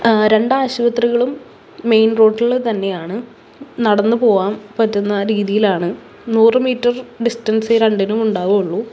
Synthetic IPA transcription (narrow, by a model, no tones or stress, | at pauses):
ɾe̞ɳɖaːɕuʋɐt̪riɣɐɭumː | e̞jnro̞ːɖiɐɭt̪ɐnːe̞jaːɳɨ | nɐɽɐnːɨpo̞ːʋaːmpɐtːunːɐɾiːðijilaːɳɨ | nuːrɨmiːtːɐrɖistɐnsɨɾeɳɖinumuɳɖaːʋɐmuɭːu